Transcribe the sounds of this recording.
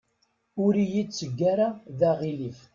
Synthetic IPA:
ʊɾijit͡sːəɡːaɾaðæʁilif

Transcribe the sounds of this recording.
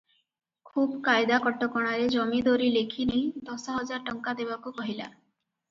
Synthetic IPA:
kʰubkajd̪akɔʈːɔkɔɽ̃aɾed͡ʒɔmid̪oɾilekʰinejd̪ɔsɔɦɔd͡ʒaɾʈɔŋkad̪ebakukɔɦila̰

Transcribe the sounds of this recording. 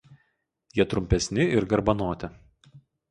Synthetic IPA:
jiɛt̪ɾʊmʲpʲɛsʲnʲɪɪɾɡɐɾbɐnoːt̪ʲɛ

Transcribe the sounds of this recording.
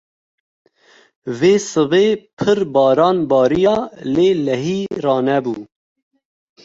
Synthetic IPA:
veːsɨveːpʰɨɾbɑːɾɑːnbɑːɾijɑːleːlɛɦiːrɑːnɛbuː

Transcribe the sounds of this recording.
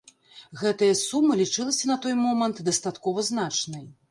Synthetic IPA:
ɣɛt̪ɐjɐsumːɨlʲit͡ʂɨlˠɐsʲɐnɐt̪ɔjmɔmɐnt̪d̪ɐst̪at̪kɔvɐznat͡ʂnɐj

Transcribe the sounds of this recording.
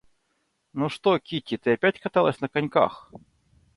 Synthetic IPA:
nuʂt̪okʲitʲɪt̪ɨɐpʲætʲkɐt̪alˠəsʲnəkɐnʲka̰x

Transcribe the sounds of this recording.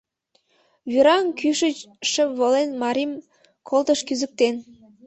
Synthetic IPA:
βyɾɑnkyʃət͡ɕʃə̆βolenmɑɾim | kʰolˠt̪əʃkyzək̚t̪en

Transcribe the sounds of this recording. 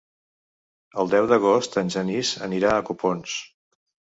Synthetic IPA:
əlˠd̪ɛwðəɣ̞ost̪ənʲʒənizə̰niɾaəkupons

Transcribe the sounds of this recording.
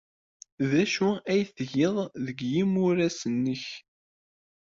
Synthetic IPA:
ðæʃuæjθəʝɪðˤðəɡjimʊɾæsənːəç

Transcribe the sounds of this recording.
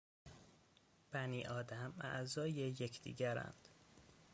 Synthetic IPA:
b̥æniːʔɒːd̪æmæ̰ʔzɒːjejecʰd̪ḭːɟæɾæ̰nd̪̥

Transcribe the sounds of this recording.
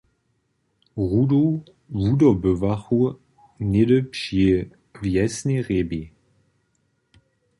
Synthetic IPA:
ʁudo | vudɐbøvaχu | nɪdəpʃi | vjɛsneʁebi

